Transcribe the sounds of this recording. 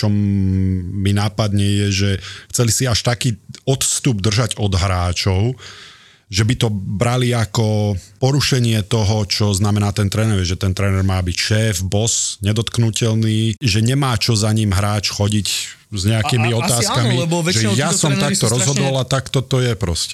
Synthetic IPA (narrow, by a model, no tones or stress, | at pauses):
t͡ʃɔmː | inaːpad̪ɲɛjɛʒɛxt͡sɛlisiaʃt̪akiːɔt̪st̪ubd̪r̩ʒaɟɔd̪ɦɾaːt͡ʃɔʊ | ʒɛbit̪ɔbɾaliakɔpɔɾuʃɛɲɪɛt̪ɔɦɔt͡ʃɔznamɛnaːt̪ɛnt̪ɾɛnɛɾɛʒɛt̪ɛnt̪ɾɛnɛɾmaːbicʃɛːfbɔsɲɛd̪ɔt̪knucɛlniːʒɛɲɛmaːt͡ʃɔzaɲiːmɦɾaːt͡ʃxɔɟic | zɲɛakimiɔt̪aːskamiʒɛjasɔmt̪ak̚t̪ɔɾɔzɦɔd̪ɔlat̪akt̪ɔt̪ɔjɛpɾɔscɛ